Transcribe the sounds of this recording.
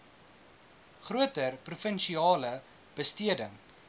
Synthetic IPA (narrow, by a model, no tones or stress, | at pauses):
χruətərprufənʃiɑːlə | b̥əstiədə